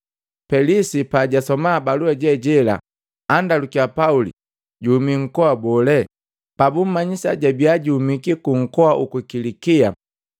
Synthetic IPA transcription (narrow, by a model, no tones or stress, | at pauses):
pɛlisipaɟasɔmabaluɛɟɛɟɛla̰ | andalukiapaulḭ | ɟuːmiŋ̩kɔabɔlɛ | pabum̩maɲisaɟabiaɟiumikikuŋ̩kɔaʔukukilikia